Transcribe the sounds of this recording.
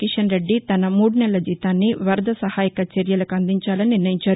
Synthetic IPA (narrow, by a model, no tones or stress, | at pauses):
kiʂɐnɾe̞ɖːit̪ɐnɐmuːɽunɛlːɐd͡ʒiːt̪aːnːiʋɐɾd̪ʱɐsɐhaːjikɐt͡ʃeɾjɐlɐkuɐnd̪iɲt͡ʃaːlɐniniɾnɐjiɲt͡ʃaːɾu